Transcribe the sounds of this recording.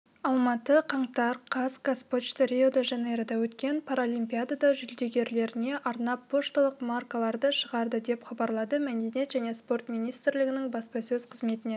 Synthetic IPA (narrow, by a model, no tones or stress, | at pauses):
ɑlˠmɑt̪əqʰɑɴt̪ɑɾqʰɑskaspot̪ʃt̪ʰeɾʲeod̪ɑʒɑneɾɑd̪ɑwɵt̪kʲe̞npʰaɾolˠijmpʲijad̪ad̪ɑʒʏld̪e̞ɡʲe̞ɾle̞ɾɪne̞ʔɑɾnɑpʰːo̞ʃt̪ɑlˠəqmarkalˠɑɾd̪əʃəʁɑɾd̪əd̪e̞pχɑbɑɾlˠɑd̪əmæd̪e̞ne̞t̪ʒæne̞spo̞rt̪mʲijnijst̪ɾlɪɡʲɪnɪŋbɑspɑsɵzqʰəzme̞t̪ɪne̞